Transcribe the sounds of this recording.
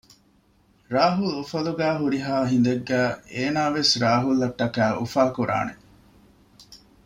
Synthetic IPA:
ɾaːɦulufɐluɡæːɦuɾiɦaːɦind̪eɡːæːeːnaːʋesɾaːɦulːɐʈːɐkæːʔufaːkuɾʔa̰ːne

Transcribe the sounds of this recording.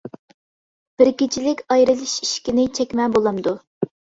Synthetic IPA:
b̥ɪɾkʲit͡ʃʰilɪkʲɑjɾɨlˠɨʃiʃkʲinɪt͡ʃʰɛkʲmɛbolˠɑmd̪u

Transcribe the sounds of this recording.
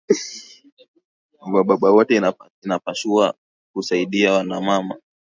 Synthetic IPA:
waɓaɓawɔtɛa | inapaʃua | kusaiɗiawanamama

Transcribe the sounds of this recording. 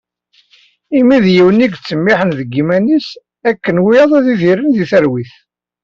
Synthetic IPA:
imiðjiwəniɡt͡sːəmːiħənðəɡːimænis | ækːənwijɑðˤæðiθiɾənðiθəɾwiθ

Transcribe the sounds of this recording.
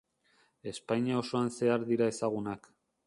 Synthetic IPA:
e̞spajɲiao̞so̞anse̞aɾðiɾae̞saɣ̞unak

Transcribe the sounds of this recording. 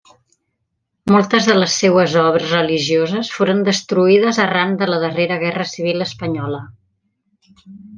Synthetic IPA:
mɔlˠt̪əzðələsːewəzɔβɾəzrəliʒiozəsfoɾənd̪əst̪ɾuiðəzərand̪ələðəreɾəɣɛrəsiβ̞ilˠəspəɲɔlə

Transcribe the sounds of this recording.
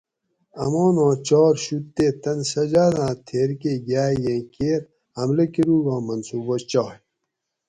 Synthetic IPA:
ɐmoːnõːt͡ɕɔːɾɕut̪ːeːt̪ɐnsɐd͡ʑaːd̪ãːt̪ʰeːɾkeːɡaːijẽkeːɾ | ɐmlekiɾuːɡãːmɐnsuːbɐt͡ɕaːj

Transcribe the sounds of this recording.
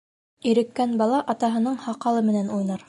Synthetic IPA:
iɾɘ̆kːænbɑlˠɑʔɑt̪ɑɦɤ̆nɤɴhɑqɑlˠɤmɘ̆nænujnɑɾ

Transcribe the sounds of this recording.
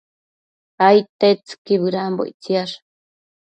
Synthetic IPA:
ajt̪et͡sɨ̥kiβɨɾambo̰jt͡siaʂ

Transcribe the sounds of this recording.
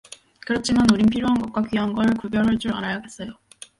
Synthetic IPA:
kɯɾʌt͡ɕʰimanuɾinpʰiɾjoɦanɡʌk̚k͈wakɥiɦanɡʌɾɯɭkubjʌɾɯɭt͡ɕ͈uɾa̰ɾajaɡes͈ʌjo

